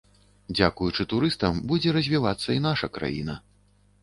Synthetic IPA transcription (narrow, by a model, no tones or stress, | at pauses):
d͡zʲakujut͡ʂɨt̪uɾɨst̪ɐmbud͡zʲɛɾɐzʲvʲivat̪sːɐinaʂɐkɾa̰jḭnɐ